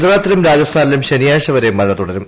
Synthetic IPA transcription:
d̪ɐraːt̪ːiɾumɾaːd͡ʑɐst̪ʰaːnɐlumɕenijaːɕɐʋɐɾemːɐlɐt̪uɽɐɾum

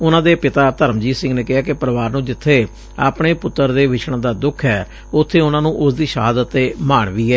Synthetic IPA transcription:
ʊnãːd̪eːpɪt̪aːt̪əɾəmd͡ʒiːsɪ̃ŋɡneːkɪɦaːkɪpəɾəʋaːɾnũːd͡ʒɪt̪ʰːeː | a̰ːpɳeːpʊt̪ːəɾd̪eːʋɪt͡ʃʰɽ̃ãːd̪aːd̪ʊkʰɛː | ʊt̪ʰːeːʊnãːnũːʔʊsd̪iːʃəɦaːd̪ət̪ːeːmaːɳʋiːɛː

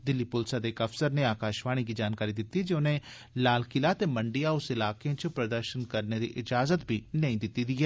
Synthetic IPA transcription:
d̪ɪlːipʊlsad̪eːkɐfsəɾneaːkaːʃʋaːɽ̃ikid͡ʒaːnkaːɾid̪ɪt̪ːid͡ʒeʊnẽ | laːlkɪlat̪eːməɳɖijaʊsɪlaːkeõt͡ʃpɾɐd̪əɾʃənkəɾned̪ḭʔɪd͡ʒaːzət̪bʱinɐĩːd̪ɪt̪ːid̪iːɛː

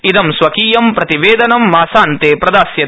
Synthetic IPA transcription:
id̪ɐmsʋɐkiːjɐmpɾɐt̪iʋeːd̪ɐnɐmːaːsaːnt̪eːpɾɐd̪aːsjɐ

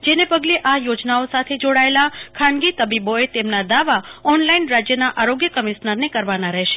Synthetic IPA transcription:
d͡ʒenepəɡleʔajod͡ʒnaosat̪ʰed͡ʒoɽaelakʰãnɡit̪əbiboet̪emnad̪aʋaɔnlainɾad͡ʒjənaʔaɾoɡjəkəmiʃnəɾnekəɾʋanaɾəɦʃe̥

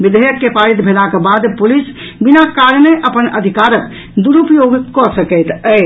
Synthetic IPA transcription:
bid̪ʱəjəkːepaɾit̪bʱelakebad̪pulis | binakaɾneʔəpənəd̪ʱikaɾək | d̪uɾupjoɡkɔsəkət̪ə

